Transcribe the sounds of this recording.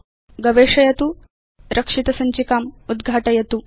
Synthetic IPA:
ɡɐʋeːʂɐjɐt̪u | ɾʔɐkʂit̪ɐsɐɲt͡ʃikaːmud̪ɡʱaːʈɐjɐt̪u

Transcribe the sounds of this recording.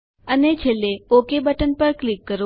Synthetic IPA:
ənet͡ʃʰeleokebəʈənpəɾklikːəɾ

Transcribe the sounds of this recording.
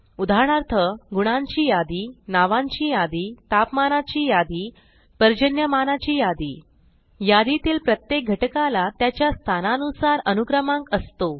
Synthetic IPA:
ud̪ʱaɽ̃aɾt̪ʰəɡuɽ̃ãɲt͡ɕiːjad̪iːnaʋãɲt͡ɕiːjad̪iːt̪apmanat͡ɕiːjad̪iː | pəɾd͡ʑənjəmanat͡ɕiːjad̪iː | jad̪it̪iːlpɾət̪jek̚ɡʱəʈkalat̪jat͡ɕjast̪ʰananusaɾənukɾəmãŋkəst̪o

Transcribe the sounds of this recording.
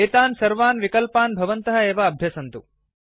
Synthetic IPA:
eːt̪aːnsɐɾʋaːnʋikɐlpaːnbʱɐʋɐnt̪ɐɦɐeːʋɐːbʱjɐsɐnt̪u

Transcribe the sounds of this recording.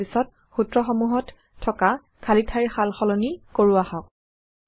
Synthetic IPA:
isɔt̚ | xutɹɔxɔmuɦɔtʰː | ɔka | kʰalitʰaɹxalxɔlɔnikoɹuahɔ̃k̚

